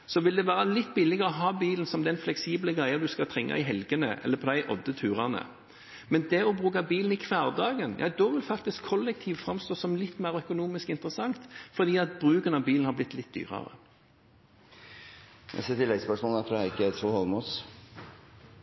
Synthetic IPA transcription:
sɔʋɪld̪ɛʋæːʁəɑlɪt̪ːbɪlɪɡəʁəɔɦɑːbiːln̩sɔmd̪ɛnflɛksiːbləɡʁæɪɑd̪ʉskɑt̪ʰʁɛŋːɑ̰ɪɦɛlɡənə̰ʔɛ̰lːəpʰɔd̪æɪʔɔd̪ːət̪ʰʉːʁɑnə̰ | mɛnd̪ɛɔbʁʉːkɑbiːln̩ɪkʰʋæːʁd̪ɑːɡənjʔɑ̰ːd̪ɔʋɪlfɑk̚t̪ɪskʰːɔlːɛk̚t̪ʰiːʋfʁɑmst̪oːsɔmlɪt̪ːmæːʁœkʊnuːmɪskɪnt̪əʁəsɑŋt̪fɔd̪iːɑt̪̚bʁʉːkənɑʋbiːln̩hɑblɪt̪ːlɪt̪̚d̪y̰ːʁə̰ʁə̰ | æ̰set̪ʰɪlːɛɡspœʂmɔːlnɛt̪ʰɾuːɪkːəæsɔhɔlmus

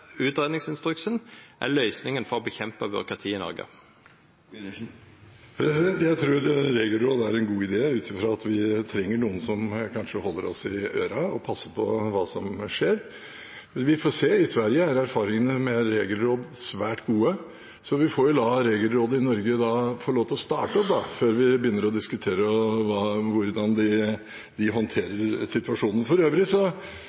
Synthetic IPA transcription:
ʉːt̪ɾeːd̪nɪŋsɪnst̪ɾʉksənʔæ̰ɭœʏsnɪŋənfɔɾɔbəçɛmpəbø̰ɾkʰɑt̪ʰiːɪnɔ̰ɾɡə̰ | pʰɾɛsɪd̪ɛnt̪jæɪt̪ʰɾuːɾɾeːɡəlɾoːd̪əæɾɛnɡuːɪd̪eːʉːt̪ʰɪfɾɑːɑt̪ʰʋɪt̪ʰɾɛŋːəɳuːən̩sɔmkʰɑnʂəhɔlːəɾɔsɪøːɾɑɔpʰɑsːəpʰɔʋɑːsɔmʂeːɾ | ʋɪfɔseːɪsʋæɾjəæɾæɾfɑːɾɪŋənəmɛɾeːɡlɾoːd̪sʋæːʈɡuːə | sɔʋɪfoːɾjʊd̪ɑɾeːɡəlɾoːd̪əɪnɔɾɡəd̪ɑfɔɭoːʋt̪ɔst̪ɑ̰ːʈəɔp̚d̪ɑføːɾʋɪbəjʏnːəɾɔd̪ɪskʉt̪ʰeːɾəʋɑːʋʊɾd̪ɑnd̪ɪ | d̪ɪɦɔnt̪ʰeːɾəɾsɪt̪ʉʋɑʂuːnən̩fɔɾøːʋɾɪsɔ

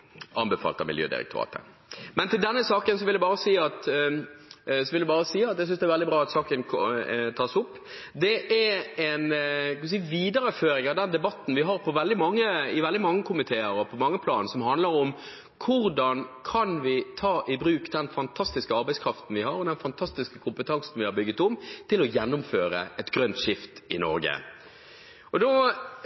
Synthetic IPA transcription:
ʔɑnbɛfɑ̰lt̪ɑ̰mɪljø̰ːd̪ɪ̰ɾɛ̰k̚t̪ʊɾɑ̰ːt̪ə̰ | mɛnt̪ɪld̪ɛnːəsɑːkəns̬ɔʋɪljæɪbɑːʁɾəsiːɑt̪ | sɔʋɪld̪ɛbɑːɾəsiːɑt̪j̪ɛɪsʏnsd̪ɛæɾʋɛld̪ɪbɾɑːɑt̪sɑːkənt̪ʰɑːsʊpː | d̪ɛʔæɛnk̪ɪs̬iːʋiːd̪əɾəføːɾɪŋɑʋd̪ɛnd̪ɛbɑt̪ːn̩ʋɪɦɑɾpʰɔʋɛld̪ɪmɑŋːəɪʋɛld̪ɪmɑŋːəkʰʊmɪt̪ʰeːəɾɔpʰɔmɑŋːəpʰlɑːnsɔmɦɑnd̪ləɾɔm | kʰʊɾd̪ɑnkʰɑnʋɪt̪ʰɑːʔɪbɾʉːkd̪ɛnfɑnt̪ʰɑst̪ɪskəɑɾbɛɪskʰɾɑft̪n̩ʋɪhɑɾɔd̪ɛnfɑnt̪ʰɑst̪ɪskəkʰʊmpət̪ʰɑŋsn̩ʋɪhɑɾbʏɡːət̪ʊmt̪ʰɪlɔjɛnːʊmføːɾə̰ʔɛt̪ɡɾœnt̪ʂɪft̪ɪnɔ̰ɾɡə̰ | ɔd̪o

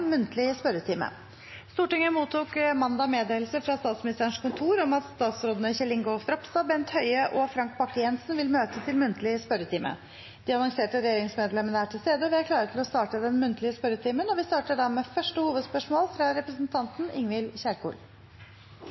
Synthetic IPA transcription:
nmʉnt̪lɪspœɾət̪ʰiːmə̰ | st̪uːʈɪŋəmuːt̪uːkmɑnd̪ɑmeːd̪eːlsəfɾɑst̪ɑːt̪smɪnɪst̪æɳʂkʰʊnt̪ʰuːɾɔmɑt̪st̪ɑːt̪sɾoːd̪ənəçɛlɪŋɡʊst̪ɾɔpst̪ɑbɛnt̪hœʏəʔɔfɾɑŋk̚bɑkːəjɛnsnʋɪlmøːt̪ət̪ʰɪlmʉnt̪lɪəspœɾət̪ʰiːmə̰ | d̪̥ɪɑnɔŋseːʈəɾɛjeːɾɪŋsmeːd̪lɛmːənəæʈʰɪlst̪eːd̪əɔʋɪæɾkʰlɑːɾət̪ʰɪlɔst̪ɑːʈəd̪ɛnmʉnt̪əlɪəspœɾət̪ʰiːmənɔʋɪst̪ɑːʈəɖæmɛːfœʂʈəhuːʋəd̪spœʂmoːlfɾɑɾɛpɾəsnt̪ʰɑnt̪nɪŋʋɪlçæɾkṵːl

